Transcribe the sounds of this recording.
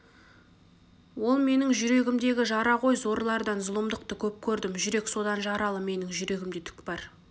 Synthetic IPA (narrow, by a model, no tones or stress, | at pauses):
wo̞lˠme̞nɪŋʒʏɾe̞ɡʲɪmd̪e̞ɡʲɪʒɑɾɑʁo̞jzo̞ɾlˠɑɾd̪ɑnzʊlˠəmd̪əq̚t̪əkʲʰɵp̚kʲʰɵɾd̪ɪmʒʏɾe̞kso̞d̪ɑnʒɑɾɑlˠəme̞nɪŋʒʏɾe̞ɡʲɪmd̪et̪ʰʏ̥kbɑɾ